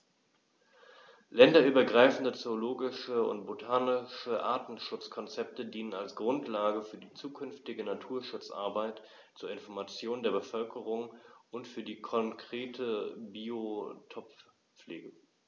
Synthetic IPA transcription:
lɛndɐyːbɐɡʁaɪfn̩dət͡sooloːɡɪʃəʊ̰ntb̥otʰaːnɪʃəʔa̰ːɐtn̩ʃʊt͡skʰɔnt͡sɛp̚tədiːnənalsɡ̥ʁʊntʰlaːɡəfyːɐdiːt͡suːkʰʏnftɪɡənatʰuːɐʃʊt͡sʔa̰ɐbaɪt | t͡suːɐɪnfɔɐmat͡sjoːndeːɐbəfœlkʰəʁ̞ʊŋʊntfyːɐdiːkʰɔŋkʁ̥eːtʰəbiːotʰɔp | p͡flḛːɡə

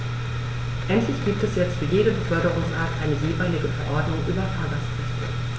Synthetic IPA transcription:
ʔɛntʰlɪçɡ̥iːp̚tɛsjɛt͡stfyːɐjeːdəbəfœɐɾəʁʊŋsʔaːtʔa̰ɪnəjeːmaɪlɪɡəfɛɐʔɔɐdnʊŋʔyːbɐtʰaːɡaspɛstɪ̰

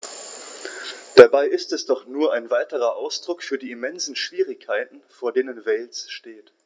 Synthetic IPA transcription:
d̥abaɪʔɪstɛsd̥ɔχnuːɐʔaɪnvaɪtəʁ̞ɐʔaʊsd̥ʁʊkfyːɐdiːimɛnzn̩ʃv̥iːʁ̞ɪkʰːaɪtn̩foːɐdeːnənvɛlsʃteːt

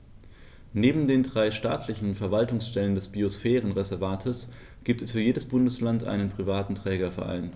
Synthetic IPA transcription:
neːbm̩deːndʁaɪʃta̰ːtʰlɪçn̩fɛɐvaltʊŋsʃtɛləndɛsb̥iosfɛːʁ̞ənʁɛzɛɐvaːtʰəs | ɡ̥iːp̚tɛsfyːɐjeːdəsb̥ʊndəslantʔa̰ɪnənpʁ̥ivaːtn̩tʁ̥ɛːɡɐfɛ̰ɐʔa̰ɪn

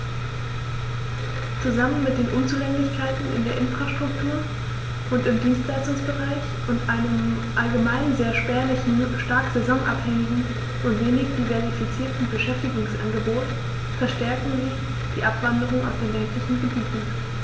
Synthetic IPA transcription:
t͡suzamənmɪt̚d̥eːnʔʊnt͡suːlɛŋdɪçkʰaɪtn̩ɪ̰ndeːɐʔɪnfʁ̥aʃtʁ̥ʊktʰuːɐ | ʔʊntɪmdiːnstl̥aɪstʊŋsb̥əʁaɪç | ʔʊntʔaɪnəm | ʔalɡəmaɪnzeːɐʃpɛːɐlɪçn̩ʃtaɐkz̥ezɔŋʔa̰phɛŋɪɡŋ̩ | ʔʊntv̥eːnɪçd̥iːvɛɐifit͡siːɐtn̩bəʃɛftɪɡʊŋsʔa̰nɡəboːt | fɛɐʃtɛɐkŋ̩zɪç | d̥iːʔapv̥andəʁ̞ʊŋəa̰ʊsd̥eːnlɛntlɪçn̩ɡəbiːtn̩

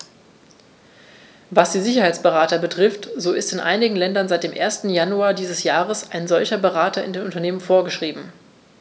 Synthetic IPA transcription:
vasd̥iːzɪçɐhaɪt͡sb̥əʁaːtɐbətʁ̥ɪftz̥oːɪstɪnʔa̰ɪnɪɡŋ̩lɛndɐnzaɪt̚d̥eːmʔḛːɐstn̩januaːɐdiːzəsjaːʁəsaɪnzɔlçɐbəʁaːtʰɐɪ̰ndeːnʔʊntɐneːmənfoːɐɡəʃʁ̥iːbm̩

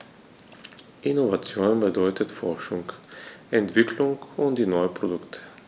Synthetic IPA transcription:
ʔinovat͡sjoːnbəd̪ɔʏt̪ət̪fɔʁʃʊŋkɛnt̪v̥ɪklʊŋkʊntd̪inɔʏəpʁodʊkt̪ʰə̥

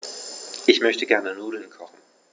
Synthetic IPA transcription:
ʔɪçmœçtəɡɛɐnənuːdl̩nkʰɔχn̩

